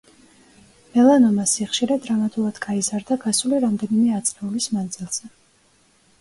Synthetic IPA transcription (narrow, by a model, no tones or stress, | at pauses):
mɛlˠanɔmasiχʃiɾad̪ɾamat̪ʼulˠad̪̥ɡaizaɾd̪aɡasuliɾamd̪ɛnimɛat̪sʼlɛulismand̪zilˠz̥ɛ